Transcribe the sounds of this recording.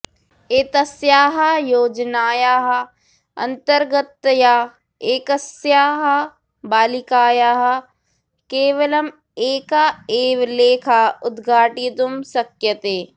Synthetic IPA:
eːt̪ɐsjaːɦɐ̆joːd͡ʒnaːjaːɦɐ̆ | ɐ̰nt̪ɐɾɡɐt̪ːjaː | eːkɐsjaːɦɐ | baːlikaːjaːɦɐ̆ | keːʋɐlɐm | eːkaːeːʋleːkʰaːʊd̪ɡʱaːʈit̪umsɐkjɐt̪eː

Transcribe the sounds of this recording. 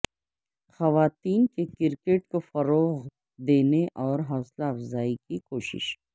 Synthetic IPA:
xɐʋaːt̪iːnkekɪɾkeːʈkofɐɾoːɣ | d̪eːneʔɔːɾɦɔːslaɐfzaːikikoːʃɪ̰ʃ

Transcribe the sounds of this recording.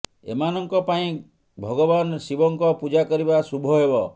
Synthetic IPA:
ḛmanɔŋkɔpaĩ | bʱɔɡɔbansibɔŋkɔpud͡ʒakɔɾibasubʱɔɦebɔ

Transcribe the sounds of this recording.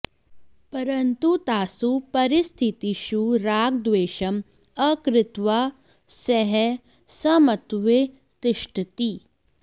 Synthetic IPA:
pɐɾɐnt̪ut̪aːsupɐɾɪst̪ʰit̪iʃuɾaːɡ̚d̪ʋeːʃɐm | ɐkɾɪt̪ʋa | sɛɦɛ | sɐmɐt̪ʋe | t̪ɪʃʈʰt̪i

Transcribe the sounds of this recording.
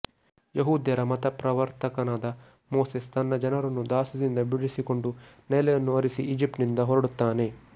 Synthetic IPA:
jeɦuːd̪jɐɾɐmɐt̪ɐpɾɐʋɐɾt̪ɐkɐnaːd̪ɐ | moːsest̪ʰɐnːɐd͡ʒɐnɐɾɐnːud̪aːsud̪ind̪ɐbiɽisiko̞ɳɖu | nɛlɐjɐnːuɐɾisiʔiːd͡ʒip̚ʈnind̪ɐɦoɾɐɽut̪ːaːne̞

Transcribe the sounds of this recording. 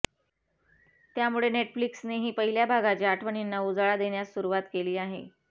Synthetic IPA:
t̪jamuɭeneʈfliksneɦiːpəɦiljabʱaɡat͡ɕiaʈʰʋəɳinːaud͡zaɭad̪eɳjasuɾuʋat̪keliːaɦḛ

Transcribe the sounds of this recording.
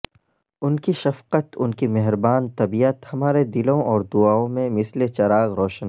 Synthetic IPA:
ʊnkiʃɐfqət̪ʊnkimɛɦɾbaːnt̪ɐbiət̪hɐmaːɾed̪ɪlõʔɔːɾd̪ʊaːõmẽmɪslet͡ʃɐɾaːɣɾɔːʃən

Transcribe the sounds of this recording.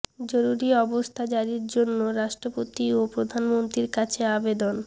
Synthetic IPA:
d͡ʑoɾuɾiɔbost̪ʰad͡ʑaɾiɾd͡ʑonːoɾaʃʈɾopot̪iopɾod̪ʱanmont̪ɾiɾkat͡ɕʰeabed̪on

